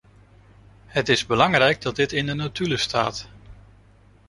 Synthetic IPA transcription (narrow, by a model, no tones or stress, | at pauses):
hətɪzbəlɑŋrɛjɡ̚dɑt̚dɪtɪndənatyləstaːt